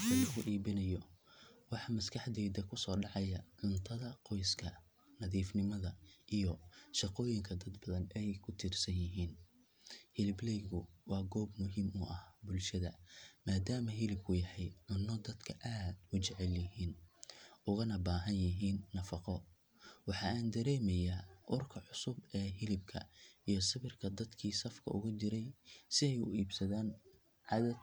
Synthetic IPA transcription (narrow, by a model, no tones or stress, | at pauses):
ɪlɐɣʊʔiːβɪnɐjɔwɑħɑmɐskʰɐħd̪ɛːd̪ɐkʰʊsɔːɖɑʕɑjɐʕʊnt̪ʰɐðɐqɔjskʰɐ | nɐðiːfnɪmɐðɐʔijɔʃɑqɔːjɪŋkʰɐd̪ɐd̪bɐðɐnɛjkʰʊt̪ʰirsɐnjɪɦiːn | hɪlɪblɛjɣʊwɑːɡɔːbmʊɦiːmʊʔɐhbʊlʃɐðɐmaːd̪aːmɐɦɪlɪb̚kʰʊjɐħɛjʕʊnːɔd̪ɐd̪kʰɐʔaːd̪̥ʊt͡ʃɛʕɛljɪɦiːnʔʊɣɐnɐbaːɦɐnjɪɦiːnːɐfɑqɔ | wɑħɑaːnd̪ɐɾɛːmɐjaːʔʊrkʰɐʕʊsʊbɛːɦɪlɪb̚kʰɐ̰ijɞsɐβɪrkʰɐd̪ɐd̪kʰiːsɐfkʰɐ̰ʊɣʊt͡ʃɪɾɛjsɪɛjʊ̰iːbsɐðaːn | ʕɑðɐd̪